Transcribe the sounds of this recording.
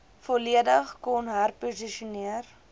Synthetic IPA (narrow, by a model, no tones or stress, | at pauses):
foliədəχkɔnɦərpuziʃuniər